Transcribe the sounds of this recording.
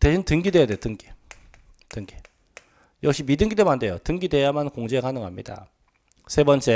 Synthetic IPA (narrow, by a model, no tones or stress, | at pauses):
teɕʰintɯŋɡidwe̞jade̞jotɯŋɡi̥ | tɯŋɡi | jʌk̚ɕ͈imidɯŋɡidemande̞jotɯŋɡide̞jamankoŋd͡ʑeɡanɯŋɦamɲḭda̰ | sʰe̞bʌnt͡ɕ͈e